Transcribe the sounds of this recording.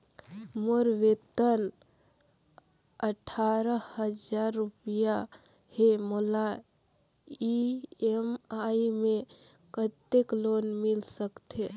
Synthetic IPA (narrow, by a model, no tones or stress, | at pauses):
moɾʋet̪ən | əʈʰaɾəhəd͡ʒaɾːupija | hemola | iemaimẽ | kət̪eklonmɪlsəkt̪e